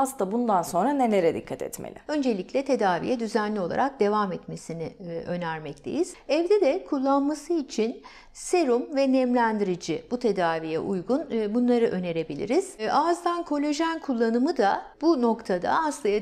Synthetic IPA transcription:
asˠabund̪anso̞nɾane̞lʲeɾɛd̪ikʰːat̪ʰɛ̰t̪mḛlʲɪ̰ø̞nd͡ʒe̞lʲiclʲɛt̪ʰe̞d̪aːvḭjɛd̪yzænlʲio̞lˠa̰ɾak̚d̪e̞vamɛt̪me̞sinɪʔø̞næɾmɛct̪ʰe̞̰jiz̥ɛvd̪ɛd̪ɛkʰulˠːanmasɯit͡ʃʰin | se̞ɾumvɛnɛmlʲænd̪iɾid͡ʒib̥ut̪ʰe̞d̪aːvijɛ̰ʔujɡunbunlˠaɾɯʔø̞ne̞ɾe̞bilʲḭɾiz̥azd̪ankʰo̞lʲo̞ʒænkʰulˠːanɯmɯd̪abuno̞kt̪ʰad̪a̰aslˠaja

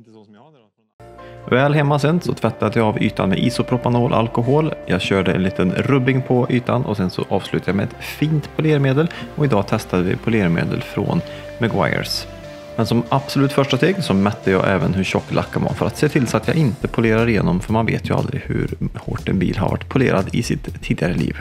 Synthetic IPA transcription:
vɛːlɦɛmːasɛnːsɔt̪ʰvɛt̪ːad̪əjɑavy̰ːt̪anmɛ̰ʔiːsʊpʰɾʊpanoːlʔa̰lkʊɦoːljɑːɡɕœːɖəɛ̰nliːt̪ənɾɵbɪŋpʰɔyːt̪anʔɔsɛnsɔ̰ʔɑːv̥slʉt̪ʰajɑmɛɛt̪fiːnt̪pʰʊleːɾmeːd̪əlɔɪd̪ɑːt̪ʰɛst̪ad̪əvɪ̰pʰʊleːɾmḛːd̪ə̰lfɾo̰ːn | mɛɡwa̰jə̰ɾs | mɛnsɔmʔab̥sʊlʉ̟ːt̪fœʂʈast̪eːɡsɔmœt̪ːəjɑ̰ːʔɛ̰ːvənɦɵɾɕɔkːlʔa̰kːavɑ̰ːfœɾat̪seːt̪ʰɪlsat̪jɑːɪnt̪əpʰʊleːɾaɾɪjeːnɔmfœɾmanvḛːt̪ʰjɵa̰ld̪ɾɪhɵ̰ɾho̰ːʈɛnbiːlɦa̰ɾva̰ʈːpʰʊleːɾad̪ɪsɪt̪ʰːiːd̪ɪaɾəlḭːv

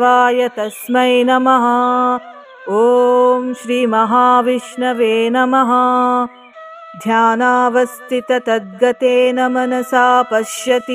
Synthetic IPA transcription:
aːjɐt̪ɐsmɐjnɐmɐɦɐ | oːmʃɾiːmɐɦaːʋiʃɳɐʋeːnɐmɐɦɐ | d̪ʱjaːnaːʋɐst̪ʰit̪ɐt̪ɐd̪̚ɡɐt̪eːnɐmɐnɐsaːpɐʃjɐt̪i

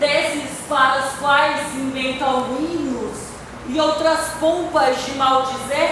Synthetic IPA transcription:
d̪esɪspaɾɐʊskwajsĩvẽnt̪ɐ̃wɦuĩnʊs | ɪowt̪ɾɐspõpɐzd͡ʒɪmawd͡ʒize

